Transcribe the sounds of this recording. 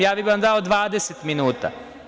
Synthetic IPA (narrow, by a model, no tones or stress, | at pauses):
jaːbibiand̪aod̪ʋaːd̪eset̪minuːt̪a̰